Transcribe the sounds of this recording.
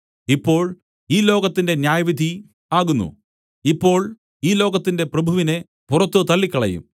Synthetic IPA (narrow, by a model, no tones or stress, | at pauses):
ipːo̞ːɭ | iːlo̞ːɣɐt̪ːinde̞njaːjɐʋid̪ʱi | aːɣunːṵ | ipːo̞ːɭ | iːlo̞ːɣɐt̪ːinde̞prɐbʱuʋine | purɐt̪ːut̪ɐlːikʲːɐɭɐ̰jṵm